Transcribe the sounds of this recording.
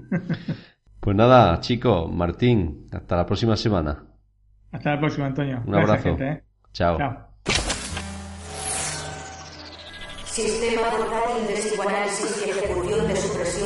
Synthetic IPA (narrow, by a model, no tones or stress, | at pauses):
pweznaðat͡ʃikomaɾt̪iŋa̰st̪alapɾosimasemana̰ | ast̪alapɾoksimant̪onjounaβɾaθot̪e | t͡ʃawa | sist̪emapoɾt̪at̪ild̪esiɣwalaelsiseekuθjond̪e̞supɾesjo